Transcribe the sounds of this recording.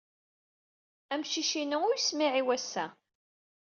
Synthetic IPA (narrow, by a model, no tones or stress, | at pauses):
æmʃiʃinəʊjsmiʕiwæsːæ